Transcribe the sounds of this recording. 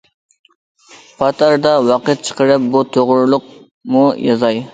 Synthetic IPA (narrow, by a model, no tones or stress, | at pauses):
pʰɑt̪ʰɑɾd̪ɑwɑqɨt̪̚t͡ʃʰə̥qəɾɨp̚but̪ʰoʁʊɾlˠʊq̚ | mujɑzɑj